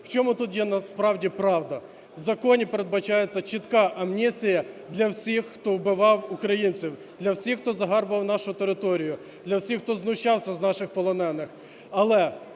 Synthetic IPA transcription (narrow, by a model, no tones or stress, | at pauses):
w̥t͡ʃɔmut̪ut̪jɛnɐspɾɑwdʲipɾɑwd̪ɐ | wzɐkɔnʲipeɾed̪̚bɐt͡ʃɑjet͡sʲːɐt͡ʃit̪kɑʔɐmnʲisʲijɐd̪lʲɐwsʲixːt̪ɔwbɪʋɑwʊkɾɐjinʲt͡sʲiw | d̪lʲɐwsʲixt̪ɔzɐɦɑrbʋɐwnɑʃʊt̪eɾɪt̪ɔɾʲijʊ | d̪lʲɐwsʲixːt̪ɔznʊʃt͡ʃɑwsʲɐznɑʃɪxpɔlˠɔnɛnːɪx | ɐlˠɛ